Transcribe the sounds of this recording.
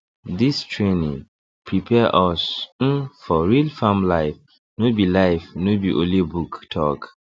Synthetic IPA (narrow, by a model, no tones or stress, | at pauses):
distʰɹenĩ | pʰɹipʰɛʔɔsn̩fɔɹilfãmlaɪf | nobilaɪfnobiʔolibuktʰɔk